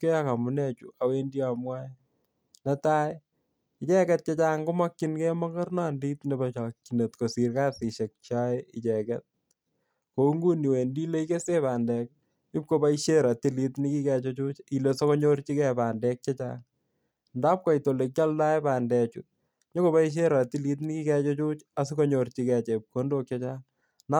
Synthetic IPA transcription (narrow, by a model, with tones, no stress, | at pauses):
ke˦a˦ka˨mʊ˨nɛ˦t͡ʃu˦a˨wendi˦amwa˦j | na˦ta˦ | ɪ˦t͡ʃɛ˦kɛ˦t̚t͡ʃɛt͡ʃaːŋkʊ˦ma˦kːɪnkɛ˦ma˦kɐ˦rna˦ndi˦tneba˨t͡ʃa˨kːi˨ne˨tko˨si˨rka˦sɪ˨ʃe˨k̚t͡ʃaɪ̰˨t͡ʃɛkɛt̚ | ko˨u˦ŋɡu˦ni˨we˨ndi˦le˦i˦ke˦se˦paː˨ndɛ˨k̚ | ɪ˦p̚ko˨ba˦iʃe˦ɾa˨ti˦li˨t̪ni˦ki˦kɛ˧t͡ʃot͡ʃut͡ʃile˨so˦ko˦ɲort͡ʃi˦kɛ˦paː˨ndɛk̚t͡ʃe˦t͡ʃa̰ːŋ | nda˦p̚ka˨i˨to˨le˨k̚t͡ʃa˦lda˦ɛ˦paː˨ndɛ˧t͡ʃu | ɲo˦ko˦ba˦iʃ̬e˦ɾa˨ti˦li˧t̪̬ni˦ki˦kɛ˧t͡ʃo˦t͡ʃu˦t͡ʃa˦s̬u˦ko˦ɲort͡ʃikɛt͡ʃe˨p̚kondo˦k̚t͡ʃe˧t͡ʃaː˦ŋ | na˦